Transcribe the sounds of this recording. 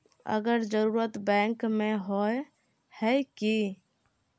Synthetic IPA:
ə̰ɡəɾd͡ʒəɾuɾət̪bɛ̃ŋkmeɦoj | hɛjki

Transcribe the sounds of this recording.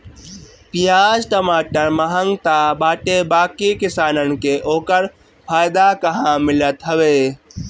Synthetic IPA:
pijaːd͡ʒʈəmaːʈəɾməɦəŋɡt̪abaːʈebaːkikisaːnənkeʔoːkəɾ | pʰaːjd̪akəɦãmilət̪ɦəbe

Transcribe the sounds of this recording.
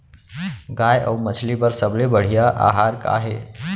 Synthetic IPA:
ɡajʔə̰wmət͡ʃʰlipəɾsəblebəɽ̤ijaʔa̰ɦaɾka̰ɦe

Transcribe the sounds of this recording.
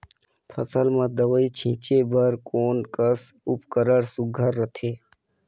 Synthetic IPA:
pʰə̰səlmãd̪əʋəit͡ʃʰĩːt͡ʃebəɾkoːnkəsʊpkəɾəɾsʊɡʱəɾːət̪ʰeː

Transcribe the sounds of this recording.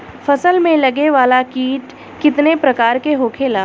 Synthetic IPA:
fɐsəlmẽlɐɡeʋaːlakiːʈ | kɪt̪nepɾɐkaːɾkeɦoːkʰeːlaː

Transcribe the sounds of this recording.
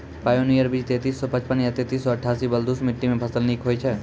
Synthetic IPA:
pajonijəɾbid͡ʒt̪et̪iːsːɔpə̃t͡ʃpənjɐt̪et̪iːsːɔəʈʰːaːsibəld̪usmɪʈːimẽpʰɐsəlniːkɦoːjt͡ʃʰɛ

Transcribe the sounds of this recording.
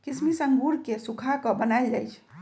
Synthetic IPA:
kismisəŋɡuɾkesukʰakəbənajld͡ʒajt͡ʃʰ

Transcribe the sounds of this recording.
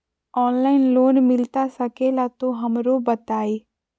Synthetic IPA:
ɔːnlaːɪnloːnmɪlt̪asɐkelat̪oɦɐmɾobɐt̪aːeː

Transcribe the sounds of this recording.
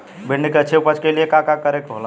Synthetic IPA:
bʱenekeət͡ʃʰeupət͡ʃkeliekakakəɾekɦola

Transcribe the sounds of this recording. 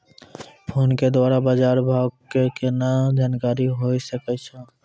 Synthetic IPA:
pʰoːnked̪waːɾabad͡ʒaɾbʱaɡkekenad͡ʒaːnkaɾiɦojsəkɛt͡ʃʰə̃

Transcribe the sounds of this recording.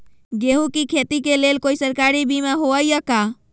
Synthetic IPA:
ɡeɦukikʰet̪ikelelkoisəɾkaɾibimaɦoəjəka

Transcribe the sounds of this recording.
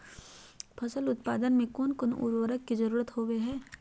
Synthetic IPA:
pʰɐsəlʊt̪̚paːd̪ənmẽkoːnkoːnṵɾwəɾəkːizɐɾuːɾət̪ɦoːʋeɦɛː

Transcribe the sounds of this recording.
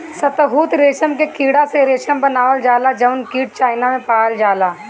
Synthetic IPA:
sət̪ɦuːt̪ɾeːʃəmkekiːɽaseɾeːʃəmbənaːʋəld͡ʒaːlad͡ʒəʊnkiːʈ̚t͡ʃaːɪnamẽpaːəld͡ʒaːlaː

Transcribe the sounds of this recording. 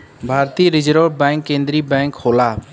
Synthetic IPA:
bʱaːɾt̪iːɾɪd͡ʒɾoːbɛ̃ːŋkːẽːnd̪ɾiːbɛ̃ːŋkhoːlaː

